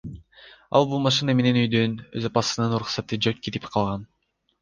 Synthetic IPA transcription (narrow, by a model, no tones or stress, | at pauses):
ɑ̰lˠbulˠmɑʃɨname̞ne̞nyjd̪ønøzapɑsɯnɯnuɾuχsɑt̪ɯd͡ʒøt̚ket̪i̥pqʰɑlˠʁɑn